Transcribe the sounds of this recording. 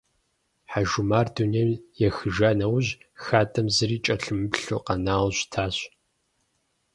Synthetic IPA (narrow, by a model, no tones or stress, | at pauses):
ħaʒʊmaːrduneːmjɛxɨʒaːnɐwʑxaːtʼɐmzɨriːt͡ʃʼɐɬɨmɨpɬuːqɐnaːwɕtʰaːɕ